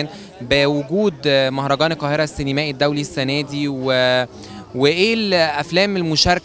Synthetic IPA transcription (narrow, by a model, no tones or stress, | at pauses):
n | bewʊɡuːd̪mɑhɾˤɑɡɑːneqːɑːheɾæsːenemæːʔed̪ːæwlisːænæːd̪iwe | weʔeːlʔæflæːmelmoʃɑɾˤk